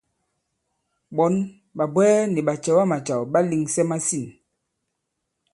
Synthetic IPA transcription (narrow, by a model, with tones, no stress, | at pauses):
ɓɔ˨˦n | ɓa˨bwɛː˦ni˨ɓa˨t͡ʃɛ˨wa˦ma˨t͡ʃa˨wɓa˦li˨ŋsɛ˦ma˦si˦˨n